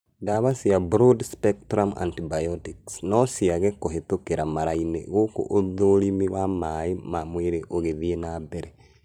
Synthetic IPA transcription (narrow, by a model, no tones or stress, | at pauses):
daβasiabɾodspektɾamʔa̰ntibajotiksnosiaɣekoɦetokeɾamaɾainḛɣoko̰ʔːðoɾimiɣwamaimamweɾeʔoɣeðienabeɾe